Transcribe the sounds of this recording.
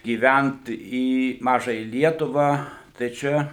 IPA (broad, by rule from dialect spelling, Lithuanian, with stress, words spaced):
ɡʲiːˈʋʲænt iː ˈmɑːʒɐjɛ ˈlʲiɛtʊʋɑː tɐɪ ˈt͡ʃʲɛ